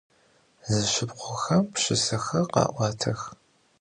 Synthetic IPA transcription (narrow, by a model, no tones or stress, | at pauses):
zɨʃɪpqʷʊxɐmpɕɪsɐxɐqɑ̰ːʔʷɑːtʰɐx